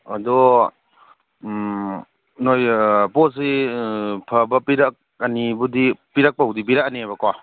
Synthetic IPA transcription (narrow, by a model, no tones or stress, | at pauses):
adɔ | nojpɔs̬i | pʰɐbɐpiɾak̚ | anibudipiɾak̚pawdibiɾak̚aniajbɐkɔa